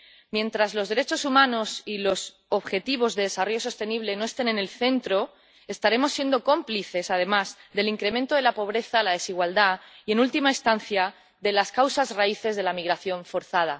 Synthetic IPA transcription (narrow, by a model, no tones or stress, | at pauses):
mje̞nt̪ɾazlo̞zðe̞ɾe̞t͡ʃosumãno̞silo̞s | o̞βxe̞t̪iβ̞o̞zðe̞ðe̞saro̞jo̞so̞st̪e̞niβle̞no̞e̞st̪e̞ne̞ne̞lθe̞nt̪ɾo̞ | est̪aɾe̞mo̞sːje̞nd̪o̞ko̞mpliθe̞sað̞e̞mazðe̞liŋkɾe̞mẽnt̪o̞ð̞e̞lapo̞β̞ɾe̞θalað̞e̞siɣ̞wald̪aie̞nult̪imaest̪an̟θja | ðe̞laskawsazraiθe̞zð̞e̞lamiɣɾaθjo̞ɱfo̞ɾθað̞a